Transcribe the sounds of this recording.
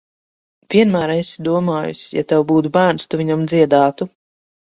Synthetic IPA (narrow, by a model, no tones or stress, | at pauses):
v̥ʲiɛnmæːɾesi̥d̪uɔmaːjṵsja̰t̪ɛwbuːt̪̬ubæːɾnst̪uvʲiɲamd̪ziɛd̪aːt̪u